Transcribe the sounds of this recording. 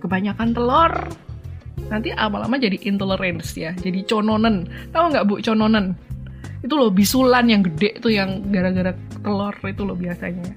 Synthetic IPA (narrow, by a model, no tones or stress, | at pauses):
kəbaɲakant̪əlɔr | nant̪iʔamala̰mad͡ʒadiʔint̪oləɾɛnsjad͡ʒadit͡ʃononənt̪auŋɡaʔbuʔt͡ʃonɔnən | it̪ulɔbisulanjaŋɡədɛʔt̪ujaŋɡaɾaɡaɾat̪əlɔrit̪ulɔhbiasa̰ɲa